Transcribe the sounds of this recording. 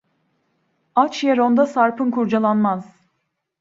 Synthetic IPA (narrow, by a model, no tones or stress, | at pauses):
at͡ʃjeɾond̪asaɾpʰɯnkʰuɾd͡ʒalˠanmaz̥